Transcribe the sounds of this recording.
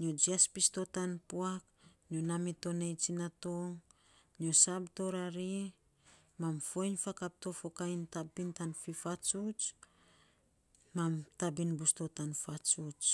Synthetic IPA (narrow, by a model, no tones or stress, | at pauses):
niod͡ʒiaspisto̞tanpuak | nionamito̞nejt͡ʃinatoŋ | nio̞sabto̞ɾaɾi | mamfo̞jnfakap̚to̞fo̞kajntapintanfifat͡ʃut͡ʃ | mamtabinbusto̞tanfat͡ʃut͡ʃ